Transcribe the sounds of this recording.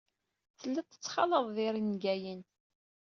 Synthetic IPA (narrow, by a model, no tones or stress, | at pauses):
θəlːæt͡s̪ːə̥t͡sːχɑ̰ləðˤðiɾinɡæjən